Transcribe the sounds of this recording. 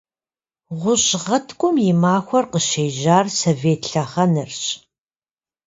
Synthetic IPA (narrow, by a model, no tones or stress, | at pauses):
ʁʷʊɕʁɐtʰkʷʼʊmjɪmaːxʷɔrqəʃeːʒaːrsoveːtɬɐχɐnɨrɕ